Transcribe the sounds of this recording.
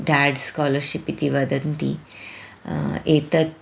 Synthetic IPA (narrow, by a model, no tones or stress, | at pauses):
ɖaɖskɔləɾɕipit̪iʋəd̪ənt̪ḭ | et̪ət̪̚